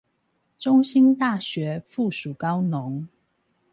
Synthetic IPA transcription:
ʈ͡ʂʊ˥ŋɕi˥nt̪a˥˩ɕɥɛ˨˧˥fu˥˩ʂu˨˩kɑ˥ʊnʊ˨˦ŋ

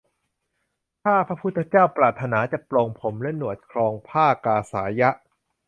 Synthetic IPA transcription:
t̪ʰaː˥˩pʰɾa˦˥pʰu˦˥t̪ʰːa˧˥t͡ɕaː˥˩wpɾaː˨˩t̪ʰːa˧naː˩˦t͡ɕa˨˩ʔplo˧ŋpʰo˩˦mlɛ˦˥nu˨˩ət̪̚kʰɾɔː˧ŋpʰaː˥˩kaː˧saː˩˦ja˦˥ʔ

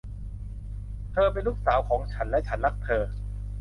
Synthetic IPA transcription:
t̪ʰɤː˧pe˧nluː˦˥k̚saː˩˦wkʰɔː˩˦ŋt͡ɕʰa˦˥nlɛ˦˥ʔt͡ɕʰa˦˥nla˦˥k̚t̪ʰɤː˧

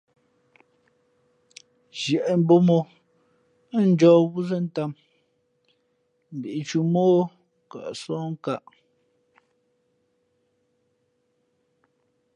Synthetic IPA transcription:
ʒjɛ˨ʔɛ˦m̩˦bo˦mo˦ | n̩˦d͡ʒɔː˨wu˦zə˦n̩˦ta˦˨m | m̩˨bi˨ʔi˨t͡ʃu˨moː˦ | ka̰˨ʔsɔ̃ː˦ŋ˦ka˦˨ʔ

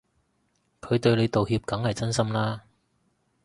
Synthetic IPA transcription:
kʰɵ˨˧ɥt̪ɵ˧ɥle˨˧jt̪o˨whiː˧p̚kɐ˨˥ŋhɐ˨jt͡sɐ˥nsɐ˥mlaː˥

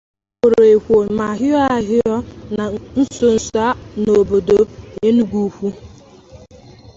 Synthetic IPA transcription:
o˨ɾo˨e˨kʷo˨ma˨ɦɪ˦ɔ˦a˦˨ɦɪ˦ɔ˦na˨n̩˦so˦n̩˨˦sɔ˨a˦no˨bo˨do˨e˦nu˦ɡʷu˦kʷu˦

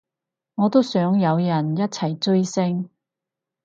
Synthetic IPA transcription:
ŋɔː˨˧t̪o˥wsœː˨˥ŋjɐ˨˧wjɐ˨˩njɐ˥t̚t͡sʰɐ˨˩jt͡sɵ˥jsɪ˥ŋ

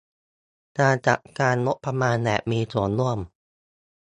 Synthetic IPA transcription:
naː˧˩t͡ɕa̰˨˩kkaː˧nːo˦˥ʔpʰːɾa˧maː˧nlɛ̰˨˩miː˧t͡ɕu˨˩˦nlu˥˩əm

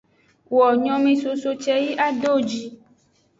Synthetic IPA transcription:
wɔ˨ɲɔ̃˦mẽ˨so˨so˦t͡ʃɛ˦ji˦ʔa˦ɖo˦d͡ʒi˦

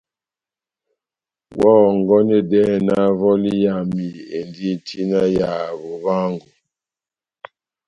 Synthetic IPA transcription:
wɔ˦˨ŋ˨ɡɔ˦nɛ˦dɛ˦na˦vɔ˦li˦ja˨mi˨e˨ndi˦˨tʰi˦na˦ja˨βo˨βa˦ŋɡu˨

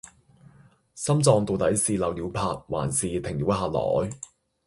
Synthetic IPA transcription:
sɐ˥mt͡sɔː˧ŋt̪o˨˧wt̪ɐ˨˥jsiː˨lɐ˨˩wliː˨˧wpʰaː˧t̚wa̰ː˨˩nsiː˨t̪ʰɪ˨˩ŋli˨˧˥wɦaː˧lɔ̰ː˨˥j

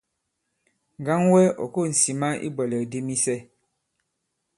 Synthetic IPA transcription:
ŋ̩˨ɡa˦ŋwɛ˦ɔ̰˨ko˦˨n̩˨si˨ma˦ʔḭ˦bɛ˨lɛ˨de˦mi˦sɛ˦

